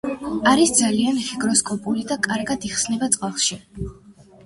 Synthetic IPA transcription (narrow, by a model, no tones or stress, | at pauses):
aɾisd̪zalianχiɡɾɔskʼɔpʼulid̪akʼaɾɡad̪iχsnɛbat̪sʼqʼalˠʃi